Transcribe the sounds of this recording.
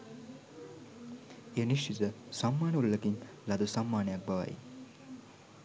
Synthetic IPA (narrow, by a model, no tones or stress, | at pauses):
eniʃt͡ʃit̪əsamːaːnəulləkin | lad̪usamːaːnəjak̚baʋa̰j